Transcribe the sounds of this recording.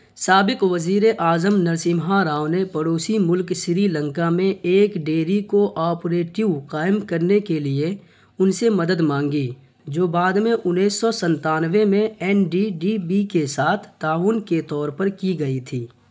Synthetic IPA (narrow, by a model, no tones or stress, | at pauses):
saːbɪqʋɐziːɾeʔaːzəmnɐɾsɪmɦaɾaːʊnepɐɽoːsimʊlkʃɪɾilə̃ŋkamẽeːkɖeːɾikoʔɔːpɾeːʈɪʋqaːɪmkɐɾnekelie | ʊnsemɐd̪əd̪mãːŋɡi | d͡ʒoːbaːd̪mẽʔʊnːiːsːɔsə̃nt̪aːnʋemẽɛːnɖiɖibikesaːt̪ʰt̪aːuːnket̪ɔːɾpəɾkiɡɐit̪ʰiː